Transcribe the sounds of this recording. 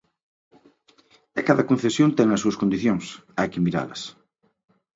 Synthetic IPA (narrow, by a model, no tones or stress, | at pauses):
ekaðɐkon̟θesjõnt̪ɛŋɐsuɐskõnd̪iθjoŋsajkimiɾa̰lɐs